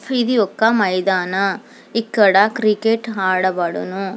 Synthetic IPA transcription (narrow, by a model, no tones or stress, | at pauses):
fid̪iɔkːɐmɐjd̪aːnɐ | ikːɐɽɐkɾikeʈɦaːɽɐbaːɽɐ̰nu